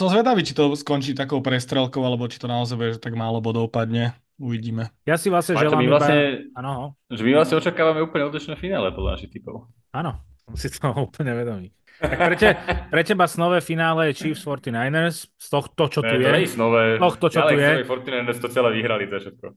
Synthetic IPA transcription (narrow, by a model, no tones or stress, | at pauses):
sɔmzʋɛd̪aʋiːt͡ʃit̪ɔskɔnt͡ʃiːt̪akɔʊpɾɛst̪ɾɛlkɔʊalɛbɔt͡ʃit̪ɔnaɔzajbɛʒɛt̪aɡmaːlɔbɔd̪ɔʊpad̪ɲɛ | uʋiɟiːmɛjasiʋlasɲɛʒɛlamivlaɲɛanɔɦɔʒɛmiʋlasɲɛɔt͡ʃakaːʋamɛuːpl̩ɲɛɔd̪liʃnɛːfinaːlɛpɔd̪la̰na̰ʃixt̪ipɔʊ | anɔsɔmsit̪ʰɔuːpl̩ɲɛʋɛd̪ɔmiː | akpɾɛcɛpɾɛcɛbasnɔʋɛfinaːlɛjɛt͡ʃiːfsfɔɾt̪inajnəɾsst̪ɔxt̪ɔt͡ʃɔt̪ujɛɛisnɔʋɛːt̪ɔxt̪ɔt͡ʃɔlɛujjɛɔɾɛjfɔɾt̪inajnəɾst̪ɔt͡sɪalɛʋiɦɾalizɛfʃɛt̪̚kɔ